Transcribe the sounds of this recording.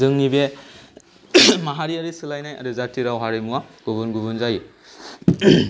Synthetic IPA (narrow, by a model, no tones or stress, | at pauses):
zɯŋnibe | maɦaɾiaɾisɯlajnaja̰dɯzatʰiɾawɦaɾimuwaɡ̥ubɯnɡubɯnzaji